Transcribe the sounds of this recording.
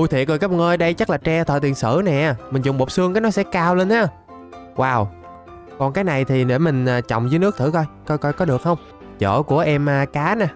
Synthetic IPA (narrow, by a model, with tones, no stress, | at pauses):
u˧jt̪ʰi˧˨kəː˨˩kːj̚ŋʔəː˧jɗə˧jt͡ɕə˦˥k̚laː˨˩t͡ɕɛ˧t̪ʰə̰ː˧˨˩t̪i˨˩ənsɨ̰˧˩nɛ˨˩ʔaː˨˩mï̟˨˩zʊ˨ŋ͡mɓo˨˩p̚sɨ˧ŋkaː˨˦jnɔ˨˦sɛ̰˧˥kaː˧wle˧nʔaː˨˧˦ | waː˨˩w | kɔ˨˩nkaː˨˦jna˨˩jt̪ʰi˨˩ɗe˧˩mï˨˩ŋ̟aː˨˩t͡ɕɔ̰˧˨wŋ͡mzəː˨˦nɨ˦˥ək̪̚ʰɨ̰˧˩kɔ˧jkɔ˧jkɔ˧jkɔ˨˦ɗɨ˨˩ək̚hə˧wŋ͡m | t͡ɕə̰ː˧˩ku˧˩əʔɛ˧mː˨kaː˨˦na˨˧˦